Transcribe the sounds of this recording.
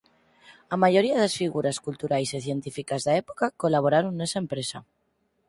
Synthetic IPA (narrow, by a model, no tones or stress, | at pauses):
amaʝoɾiaðesfiɣuɾaskult̪uɾajsiθjent̪ifikazðaepokakolaβ̞oɾaɾonːesaempɾesa